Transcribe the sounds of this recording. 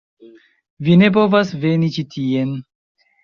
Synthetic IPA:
vine̞p̬o̞vasve̞nit͡ʃitʰie̞n

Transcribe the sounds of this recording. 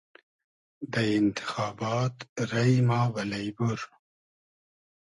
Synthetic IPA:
d̪əɪnt̪ʰɪ̥xɑːbɑːt̪ɾɐjmɑːvɐlɐjbuɾ

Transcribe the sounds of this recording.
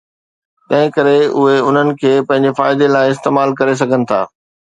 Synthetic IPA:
t̪ɐ̃ɦɪ̃kɐɾeʊɦeʊn̤ənɪ̆kʰeːpɐ̃ɦɪ̃ɲ̆d͡ʑefa̰ːɪd̪elaːɪ̃ɪst̪eːmaːlkɐɾes̬ɐɡʱənɪ̆t̪ʰa̰ː

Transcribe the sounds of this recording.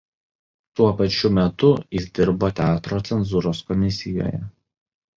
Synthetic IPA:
t̪uɔpɐt͡ʃʲʊmʲɛt̪ʊjɪsd̪ʲɪɾboːt̪ʲæːt̪ɾoːt̪sʲɛnzuːɾoːskɔmʲɪsʲɪjo̰ːjɛ̰

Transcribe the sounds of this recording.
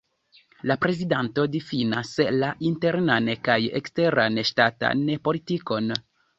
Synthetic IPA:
lapɾe̞zidanto̞difinaslaʔinteɾnankajḛkste̞ɾanʃtata̰npo̞litiko̞n

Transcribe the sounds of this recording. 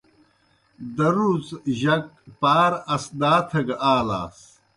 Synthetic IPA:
d̪ɐɾuzʑɐk̚paːɾɐsd̪aːt̪ʰɐɡaːla̰ːs

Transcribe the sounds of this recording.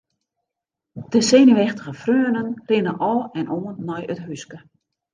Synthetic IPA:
d̥əseːnəʋɛxtə̥ɣəfrøːənənrɪnəʔɔːlˠɛnʔoːənːɔjətɦyskə

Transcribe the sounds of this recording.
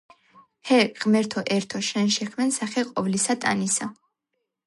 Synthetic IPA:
hɛqʼmɛɾt̪ʰɔʔɛɾt̪ʰɔʃɛnʃɛχʰmɛnsaχɛqʼɔvlisat̪ʼa̰nisa

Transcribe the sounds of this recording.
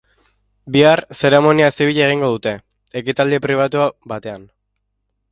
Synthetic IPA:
biarse̞ɾe̞mo̞niaesiβiʎaeɣ̞iŋɡo̞ð̞ut̪e̞ː | kit̪ald̪ipɾiβ̞at̪uabat̪e̞an

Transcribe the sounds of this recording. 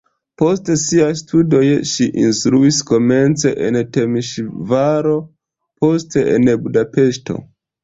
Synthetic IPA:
po̞stesiajstʰudo̞jʃiʔinstɾuisko̞me̞nt͡se̞ʔḛnte̞miʃvaɾo̞ | po̞ste̞ḛnbudape̞ʃto̞̰

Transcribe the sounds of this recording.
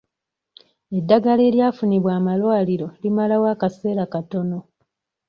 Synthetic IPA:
e̞dːaɡale̞ːljaːfuniβwaːmalwaːliɾo̞limalawaːkase̞ːɾakato̞no̞

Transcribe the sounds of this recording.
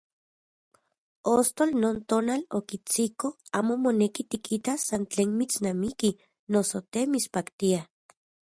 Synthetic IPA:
ost̪olnoːnt̪oːnalokit͡sikoaːmomonekit̪ikʰit̪asːant͡ɬeːnmit͡snamiki | nosot̪emispakt̪ia

